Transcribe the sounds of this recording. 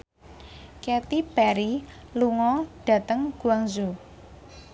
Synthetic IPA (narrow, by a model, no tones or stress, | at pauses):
kɛt̪ipɛɾiluŋɔɖ̥a̤t̪əŋɡ̥ṳaŋzu